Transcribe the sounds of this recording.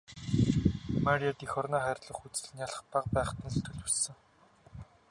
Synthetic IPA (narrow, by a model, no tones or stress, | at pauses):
maɾijat̪ixɔrnaːχærʲɮə̆χut͡sɘ̆ɮ̆njaɮə̆χp̪aqpæːχt̪ə̆nset̪ɡɘ̆ɮussɘ̆ŋ